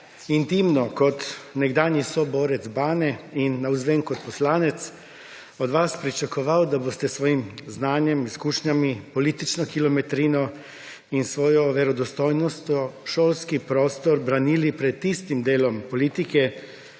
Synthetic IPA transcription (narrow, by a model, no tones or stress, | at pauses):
int̪imnɔkɔt̪nɛɡd̪aːnjisɔbɔːɾɛt̪zbaːnɛinːauzʋɛːnkɔt̪̚pɔslaːnɛt̪s | ɔd̪ʋaspɾit͡ʃakɔʋawd̪abost̪ɛsʋɔːjimznaːnjɛmiskuːʃɲamipɔliːt̪it͡ʃnɔkilɔmɛt̪ɾiːnɔ | insʋɔːjɔʋɛɾɔd̪ɔst̪ɔjnɔst̪ɔʃoːlskipɾoːst̪ɔɾbɾaniːlipɾɛt̪ːist̪imd̪eːlɔmpɔliːt̪ikɛ